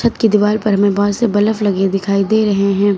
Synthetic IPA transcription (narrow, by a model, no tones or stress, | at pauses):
ɐt̪kid̪ɪʋaːlpɐɾɦɐmẽbɔːdsebɐləflɐɡed̪ɪkʰaːid̪eːɾɐɦeɦɛ̃ː